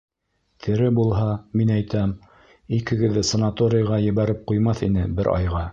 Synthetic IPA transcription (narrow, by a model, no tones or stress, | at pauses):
t̪ʰɘ̆ɾɘbulˠɦɑminæjt̪æm | ikɘ̆ɡɘ̆ðːɘsɐnat̪oɾʲɪjɑʁɑjɘ̆βæɾɘp̚qujmɑθinɘbɘɾʔɑ̰jʁɑ